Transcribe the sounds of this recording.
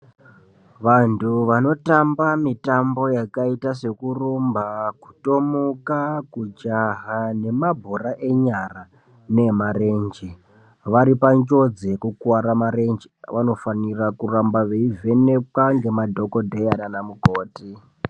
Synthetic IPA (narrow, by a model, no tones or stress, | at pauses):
ʋantʰuʋano̞tambamitambo̞jakaitase̞kurombaku̥to̞mukakud͡ʒaɦane̞mabʱoɾaʔe̞ɲara | ne̞mare̞nd͡ʒe | ʋaɾipaɲd͡ʒo̞d͡zekukwaɾamaɾe̞nd͡ʒeʋano̞fanirakurambaʋeive̞ne̞pwaŋɡe̞madʱo̞ko̞dʱejananamukoːti